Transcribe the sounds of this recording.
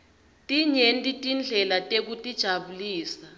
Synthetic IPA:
tʼiɲentʼitʼind͡ɮʱɛlatʼek̬utʼid̥ʒ̥ʱaɓuliːsa

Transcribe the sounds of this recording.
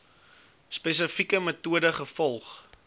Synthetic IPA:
spɛs̬əfikəmətuədəχəfɔlˠχ

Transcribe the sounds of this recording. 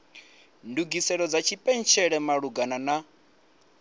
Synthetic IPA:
nduɡisɛɺɔd͡zat͡ʃʰipʼɛnt͡ʃʰɛɺɛmaɺuɡanana

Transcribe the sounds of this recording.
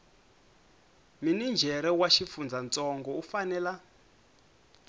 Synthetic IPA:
minind͡ʒʱɛɾɛwaʃifund͡zʱant͡sʼɔŋɡɔufanɛːla

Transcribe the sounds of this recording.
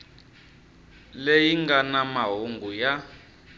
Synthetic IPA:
lejiŋɡanamaɦoŋɡuja

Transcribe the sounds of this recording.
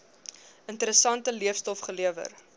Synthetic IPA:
əntəɾəsɐntəliəfstɔfχəliəvə̰r

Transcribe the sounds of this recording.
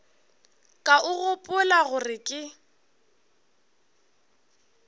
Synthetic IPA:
kʼaʊɣʊpʼʊlaɣʊrɪkʼɪ

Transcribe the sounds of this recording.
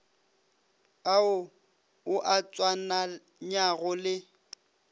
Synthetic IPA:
aʊ | ʊʔat͡sʼwana | ɲaɣʊlɪ

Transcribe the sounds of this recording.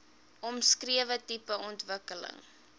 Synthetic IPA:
ʔɔmskriəvətipəʔɔntvəkələ̰ŋ

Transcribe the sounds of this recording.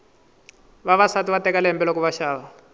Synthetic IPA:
βaβasatuβatɛkalɛɛmbɛlɔkuβaʃaːβa

